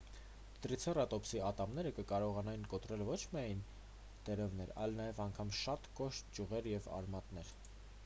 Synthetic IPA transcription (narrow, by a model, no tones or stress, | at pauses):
d̪̥ɾit͡sʰɛrɑt̪ɔpsiɑt̪ɑmnɛɾəkəkɑɾɔʁɑnɑjinkɔt̪ɾɛlvɔt͡ʃʰmijɑjn | t̪ɛɾɛvn̪ɛɾɑ̰jlnɑjɛvɑŋkʰɑmʃɑt̪kɔʃt̪̚d͡ʒuʁɛɾjɛvɑ̰ɾmɑt̪nɛɾ